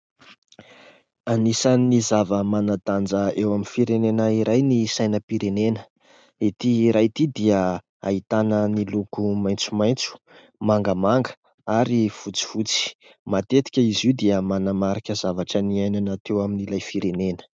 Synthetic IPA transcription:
anisanizavəmanad̪and͡zəewaminfiɾenenəiɾajnisajnəpiɾenenə̥ | et̪iːɾajt̪id̪iə | a̰it̪anənilukumajnt͡sumajnt͡su̥ | maŋɡəmaŋɡə̥ | aɾiv̥ut͡si̥v̥ut͡si̥ | mat̪et̪i̥kʲəiziwd̪iəmanamaɾakʲəzavaʈ͡ʂəniajnanat̪ewaminilajfiɾenenə̥

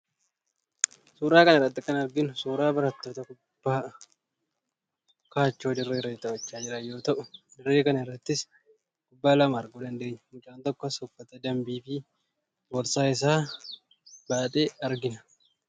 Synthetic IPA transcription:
suːɾaːkɐnɐɪrːɐt̪ːɪkɐnɐɾɡɪnʊsuːɾaːbɐɾɐt̪ːo̞ːt̪ɐkʊ | b̥ːaː | kaːt͡ʃːo̞ːd̪ɪrːeːɾeːt̪ɐwɐt͡ʃːaːd͡ʒɪɾɐjo̞ːt̪ɐʔʊd̪ɪrːeːkɐnɐɪrːɐt̪ːɪs | kʊbːaːlɐmaːɾɡuːd̪ɐnd̪e̞ːɲːɐ̥mʊt͡ʃʼaːnt̪ɔkːɔsɔfːɐt̪ɛd̪ɐmbiːfɪ | wɔɾsaːɪs̬aː | baːt̪ʼeːɐɾɡɪnɐ̥

